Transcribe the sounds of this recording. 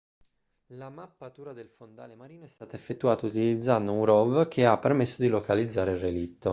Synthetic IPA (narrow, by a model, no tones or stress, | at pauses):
lamapːat̪uːɾad̪elfond̪a̰ːlemaɾiːnoɛst̪aːt̪aefːet̪ːuaːt̪out̪ilid̪zand̪ouɾɔvk̟ʰeapːermesːod̪ilokalid̪zːaːɾeilrːelit̪ːo